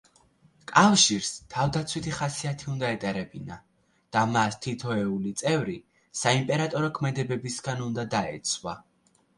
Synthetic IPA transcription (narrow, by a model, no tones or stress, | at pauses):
kʼafʃiɾst̪ʰavd̪at̪sʰwit̪ʰiχasiat̪ʰiund̪aɛt̪ʼɛɾɛbina | d̪̥amast̪ʰit̪ʰɔɛulit̪sʼɛvɾi | saimpʼɛɾat̪ʼɔɾɔkʰmɛd̪ɛbɛbisɡanund̪ad̪aɛ̰t̪sʰwa̰